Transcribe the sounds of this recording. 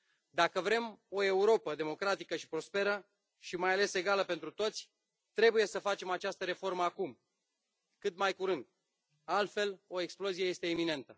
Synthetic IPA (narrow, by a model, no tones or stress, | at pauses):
d̪akəvɾe̞mo̞e̞uɾo̞pəd̪emo̞kɾat̪ikəʃi̥pɾo̞spe̞ɾə | ʃimajale̞se̞ɡaləpe̞nt̪ɾut̪o̞t̪sʲ | t̪ɾe̞buje̞səfat͡ʃe̞mat͡ʃast̪əɾe̞fo̞rməakum | kɨt̪majkuɾɨnd̪ | alt̪fe̞lo̞e̞ksplo̞zije̞je̞st̪e̞ːmine̞nt̪ə